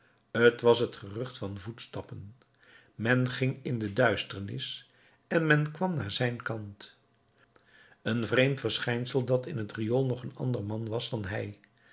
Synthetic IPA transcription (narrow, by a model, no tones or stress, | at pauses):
ətʋɑsɦətχərɵχtfɑnvutstɑpən | mɛnχɪŋɪndədœɥstəɹnɪ̰s | ɛnmɛnkʋɑmnaːɹzɛjnkɑnt | ənvrejmtfəɹsχɛjnsəlˠdɑtɪnətrijolˠnɔχənɑ̰ndəɹmɑnʋɑsdɑnɦɛj